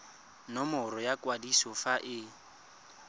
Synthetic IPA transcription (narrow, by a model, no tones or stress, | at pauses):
nɔmɔɾɔjakwadisɔfaʔɪ